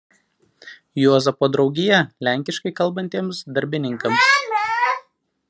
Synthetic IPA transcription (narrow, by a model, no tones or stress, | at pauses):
juːzɐpoːd̪ɾɒʊɡʲɪjɛlʲæˑŋʲkʲɪʃkɐɪkɐlˠbɐnʲt̪ʲiɛmsd̪ɐɾʲbʲɪnʲɪŋkɐms